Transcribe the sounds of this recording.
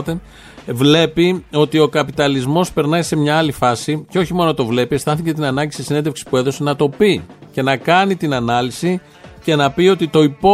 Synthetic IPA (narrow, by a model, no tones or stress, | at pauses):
t̪e | vle̞pio̞t̪io̞kɐpit̪ɐlizmo̞spe̞ɾnɐjse̞mɲɐɐlifɐsiceo̞çimo̞no̞t̪o̞vle̞pie̞st̪ɐθice̞t̪̬inɐnɐɲɟisisinedefksi̥pue̞ðo̞se̞nɐt̪o̞pice̞nɐkɐnit̪inɐnɐlisi | ce̞nɐpio̞t̪it̪o̞ipo